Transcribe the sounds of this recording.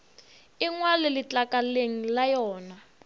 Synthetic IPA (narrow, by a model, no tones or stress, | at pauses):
iŋwalɛlit͡ɬakaleŋ̩lajɔːna